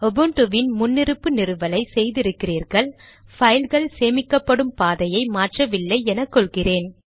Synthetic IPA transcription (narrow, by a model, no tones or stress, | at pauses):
ɔbɯɳʈɯʋɪnmʊnːɪɾɯpːɯnɪɾɯʋɐlɐɪsɛjðɪɾɯkːɪriːɾɣɐɭ | fɐɪlɣɐɭseːmɪkːɐpːɐɽɯmpaːðɐjɐɪmaːʈrɐʋɪlːɐɪɛnɐkːɔɭɣɪreːn